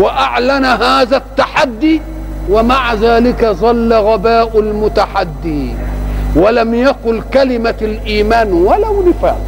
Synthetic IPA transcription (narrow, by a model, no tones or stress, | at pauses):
wɪʔaʕlanɦaːðat̪ːaħad̪ːi | wɪmaʕaðaːlɪkaðˤɑlːaɣabaːʔʊlmʊt̪aħad̪ːi | walamjaqʊlkalɪmalʔiːmaːnwalawnɪfa̰ːʔ